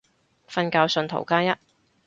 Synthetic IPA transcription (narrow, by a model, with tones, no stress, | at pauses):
fɐ˧nkaː˧wsɵ˧nt̪ʰo̰˨˩wkaː˥jɐ˥t̚